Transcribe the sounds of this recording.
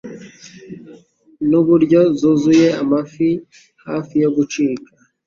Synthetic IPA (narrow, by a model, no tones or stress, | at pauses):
nuβuɾɟo̞zuzuje̞amafi | ha̰ːfijo̞ɡut͡ʃiːkḁ